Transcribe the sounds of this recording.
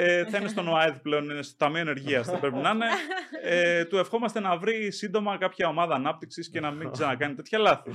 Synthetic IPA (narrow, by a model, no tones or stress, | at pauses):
eθɐinest̪onoɐeðiple̞o̞ninest̪ot̪ɐmioene̞ɾʝiɐsθepɾepinɐne̞et̪ue̞fxo̞mɐst̪e̞nɐvɾisind̪o̞mɐkɐpçɐo̞mɐðɐːnɐp̚t̪iksisce̞nɐmizenɐkɐnit̪e̞t̪çɐlɐθi